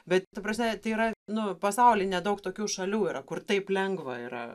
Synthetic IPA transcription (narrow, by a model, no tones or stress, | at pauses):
bʲɛt̪t̪ɐpɾɐsʲmʲɛt̪ɐɪiːɾɐnʊpɐsɐʊlʲɪnʲɛd̪ɐʊkt̪oːkʲuːʃɐlʲuːiːɾɐkʊrt̪ɐɪplʲɛŋɡʋɐḭɾɐ̰